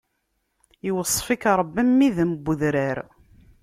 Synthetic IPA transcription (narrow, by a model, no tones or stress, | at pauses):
jwəsˤːfikɾˤəbːimːiðmbːəðɾaɾ